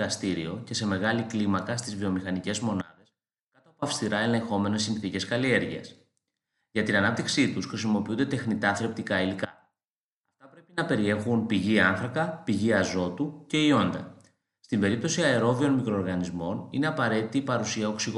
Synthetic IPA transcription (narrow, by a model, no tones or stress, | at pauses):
ɐst̪iɾio̞ce̞se̞me̞ɣɐliklimɐkɐst̪izvio̞mixɐnice̞zmo̞nɐðe̞s | kɐt̪opoɐfst̪iɾɐe̞le̞ŋxo̞me̞ne̞sːinθice̞skɐlie̞ɾʝiɐ̰s | ʝɐt̪inɐnɐp̚t̪iksit̪usxɾis̬imo̞piund̪e̞t̪e̞xnit̪ɐθɾe̞p̚t̪ikɐilikɐ | ɐft̪ɐpɾe̞pinɐpe̞ɾie̞xunpiʝiɐnθɾɐkɐpiʝiɐzo̞t̪uce̞io̞nd̪ɐ̰ | st̪imbe̞ɾip̚t̪o̞siɐeɾo̞vio̞nmikɾo̞ːɾɣɐnizmo̞nine̞ɐpɐɾe̞t̪it̪iːpɐɾusiɐo̞ksiɣo